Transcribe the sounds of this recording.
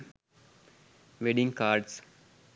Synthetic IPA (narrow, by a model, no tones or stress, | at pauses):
ʋeɖɪ̃ŋɡkaːɾɖs